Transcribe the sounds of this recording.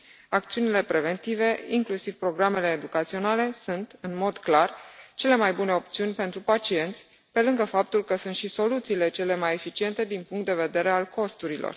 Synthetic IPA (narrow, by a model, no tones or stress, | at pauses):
ak̚t̪siunile̞pɾe̞ve̞nt̪ive̞iŋklusiv̥pɾo̞ɡɾame̞le̞ːd̪ukat̪sio̞nale̞sunt̪ɨnmo̞d̪klart͡ʃe̞le̞majbune̞o̞p̚t̪siunʲpe̞nt̪ɾupat͡ʃie̞nt̪sʲ | pe̞lɨŋɡəfap̚t̪ulkəsunt̪ʃiso̞lut̪siːle̞t͡ʃe̞le̞maje̞fit͡ʃie̞nt̪e̞d̪inpuŋkt̪d̪e̞ve̞d̪e̞ɾe̞alko̞st̪uɾilo̰r